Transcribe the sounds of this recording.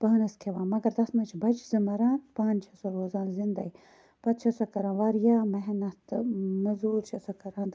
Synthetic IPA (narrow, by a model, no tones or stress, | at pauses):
pɐɦnɐskʰeʋaːnmɐɡɐɾd̪ɐsmɐt͡ʃʰbɐt͡ʃzɐmɐɾaːnpaːnt͡ʃʰɐsɐɾoːzaːnzind̪ɐi | pɐt̪t͡ʃʰɐsɐkɐɾãːnʋaɾjaːmɐɦnɐt̪mɐzuːɾt͡ʃʰɐsɐkɐɾaːnd̪